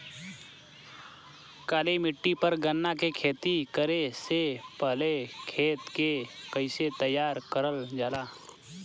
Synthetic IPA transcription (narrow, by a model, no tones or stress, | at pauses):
kaːlemɪʈːipəɾɡənːakekʰeːt̪ikəɾesepəɦlekʰeːt̪kekəɪset̪əjːaːɾkəɾəld͡ʒaːlaː